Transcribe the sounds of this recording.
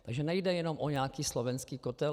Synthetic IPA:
t̪aɡʒɛnɛjdɛjɛno̞mʔoɲɛaːkiːslovɛnskiːkot̪ɛl

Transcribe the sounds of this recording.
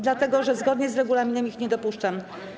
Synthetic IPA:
d̪lat̪ɛɡɔʐɛzɡɔd̪ɲɛzɾɛɡulamʲinɛmixɲɛd̪ɔpuʂt͡ʂam

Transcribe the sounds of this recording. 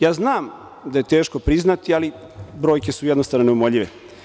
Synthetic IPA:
jaːznaːm | d̪aje̞t̪e̞ːʃko̞pɾiznat̪iali | bɾo̞ːjkʲe̞sujɛd̪nost̪anoneumoʎiʋḛ

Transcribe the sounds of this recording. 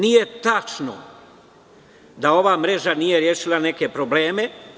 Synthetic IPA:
nije̞t̪at͡ʃno̰ | d̪ao̞ʋaːmɾe̞ʒanije̞ɾjeːʃilane̞ke̞pɾo̞ble̞ːme̞

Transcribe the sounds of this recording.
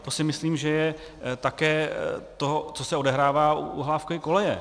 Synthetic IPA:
t̪osɪmɪsliːmʒɛjɛ | t̪akɛːt̪oɦt͡so̞sɛo̞dɛɦɾaːvaːuṵɦlaːfkovɪko̞lɛjɛ̰

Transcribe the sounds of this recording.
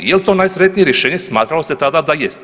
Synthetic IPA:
jelt̪onajsɾet̪nijeɾjeʃeːɲesmaːt̪ɾalo̞set̪ad̪ad̪ajest̪

